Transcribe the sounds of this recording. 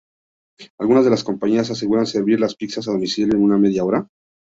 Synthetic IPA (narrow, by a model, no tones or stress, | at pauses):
alɣunazðe̞lasko̞mpaɲias̬as̬e̞ɣuɾanse̞ɾβiɾlaspiksas̬aðo̞misiljoenuname̞ðjao̞ɾa